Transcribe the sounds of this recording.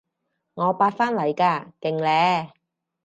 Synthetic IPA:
ŋɔː˨˧paː˧t̚faː˥nlɐ˨˩jkaː˧kɪ˨˩ŋlɛː˨˥

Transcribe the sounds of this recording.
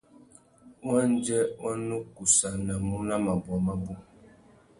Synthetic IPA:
wa˦n˦d͡ʒɛ˦ɔ˦nu˦ku˨sa˨na˨mu˦na˦ma˨bwa˨ma˦bu˦

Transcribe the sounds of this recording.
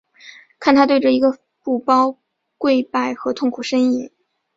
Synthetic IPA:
kʰa˥˩nt̪ʰa˥t̪we˥˩ɪʈ͡ʂə˨˩i˧˥ɡə˧ | pu˥˩pɑ˥ʊ | kwe˥˧ɪpa˥˩ɪxɤ˧˥t̪ʰʊ˥˩ŋkʰu˨˩ʂə˥ni˥˩˦

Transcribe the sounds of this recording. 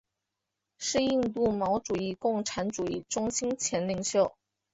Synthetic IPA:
ʂɻ̩˥˧i˥˧nt̪u˥˩mɑ˧˥ʊʈ͡ʂu˨˩i˥˧kʊ˥˩ŋʈ͡ʂʰa˧˥nʈ͡ʂu˨˩i˥˩ʈ͡ʂʊ˥ŋɕi˥nt͡ɕʰjɛ˧˥nli˧˥ŋɕjo˥˩ʊ

